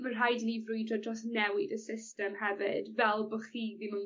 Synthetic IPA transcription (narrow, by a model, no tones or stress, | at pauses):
mər̥ɦajdnivrʊjdɔdd͡ʒɔsnɛwɪdəsɪstɛmhɛvɪ̰dvɛlˠbɔχiːðimən